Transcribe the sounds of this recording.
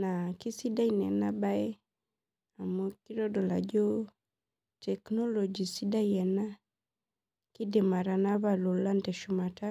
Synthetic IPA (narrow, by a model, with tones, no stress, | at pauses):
na˨ki˦si˦da˦i˨nɛ˨na˦ba˦ɛ˦ | a˨mu˦ki˦ɾɔ˦dɔ˨la̰˨d͡ʒɔ˦ | tɛ˨knɔ˦lɔ˨d͡ʒi˨si˦da˦jɛ˨na˦ | ki˦dɛ˨ma˨ɾa˨na˦βa˨lɔ˨la˦ndɛ˨ʃuma˨ta˦